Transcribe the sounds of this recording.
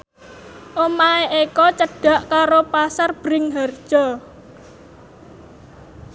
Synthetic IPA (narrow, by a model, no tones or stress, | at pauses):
ʔomaeʔekɔt͡ʃəɖ̥a̤ʔkaɾopasarb̥ɾɪŋɦard̥ʒ̥ɔ